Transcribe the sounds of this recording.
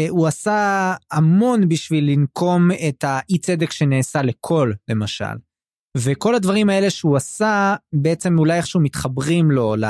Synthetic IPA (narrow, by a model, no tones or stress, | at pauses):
uasaamo̞nbiʃvilːinkʰo̞metaʔit͡se̞d̪ekʃe̞neːsale̞kʰo̞lle̞maʃa̰l | ve̞ko̞lad̪vaʁimae̞le̞ʃeuasabeet͡se̞mulajeχʃeumit̪χabʁimlo̞la